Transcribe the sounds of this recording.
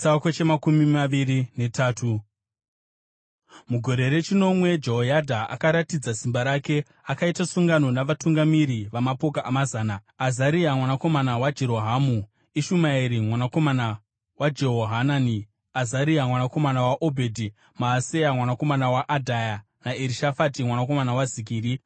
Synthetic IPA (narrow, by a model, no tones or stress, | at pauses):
akot͡ʃemakumimaʋiɾine̞tʰaːtʰu | muɡʱo̞ɾe̞ɾe̞t͡ʃino̞mwe̞d͡ʒeɦojadʱaʔa̰kaɾatid͡zasimbaɾake̞ | akaitasuŋɡano̞naʋatuŋɡamiɾiʋamapo̞kaʔamazaːna | azaɾiamwanako̞manawad͡ʒe̞ɾo̞ɦamu | iʃumaiɾimwanako̞mana | wad͡ʒe̞ɦoɦanani | azaɾiamwanako̞manawaʔo̞bʱe̞dʱi | maːse̞jamwanako̞manawaʔadʱaja | naeɾiʃafatimwanako̞manawazik̬iːɾi